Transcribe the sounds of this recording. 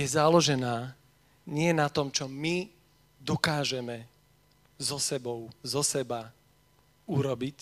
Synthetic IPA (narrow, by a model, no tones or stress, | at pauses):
jɛzalɔʒɛnaː | ɲɪɛnat̪ɔmt͡ʃɔmi | d̪ɔkaːʒɛmɛ | zɔsɛbɔʊzɔsɛba | uɾɔbic